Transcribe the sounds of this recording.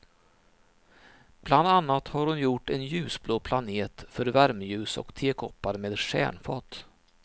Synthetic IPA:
b̥land̪anːat̪haɾhʊnjʊʈːɛnjʉ̟ːsbloːpʰlaneːt̪fœɾvæɾmjʉ̟ːsɔ̰kt̪ʰeːkʰɔpːaɾmeːd̪ʂæ̰ːɳfɑ̰ːt̪

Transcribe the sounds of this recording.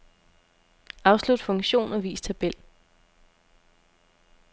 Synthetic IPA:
ɑ̈ʊslud̥fɔ̽ŋɕo̝̰ːnɒʋḭːst͡sʰæb̥el̰

